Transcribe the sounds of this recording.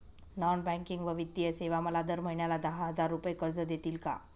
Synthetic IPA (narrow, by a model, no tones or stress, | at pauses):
nɔnbɛ̃ŋkiŋɡʋəʋit̪ːijəseʋaməlad̪əɾm̤əɦiɳjalad̪əɦɦəd͡zaɾːupəjekəɾd͡zəd̪et̪iːlka̰